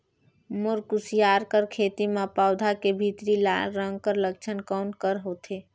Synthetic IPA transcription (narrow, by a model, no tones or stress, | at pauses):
moɾkusijaːɾkəɾkʰeːt̪imẽpaːʊd̪ʱakebʱit̪ɾila̰lɾə̃ŋɡ̚kəɾlək̚t͡ʃʰənkɔːnkəɾɦot̪ʰe